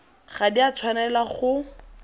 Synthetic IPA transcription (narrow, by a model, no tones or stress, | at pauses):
χadiat͡sʰwanɛlaχʊ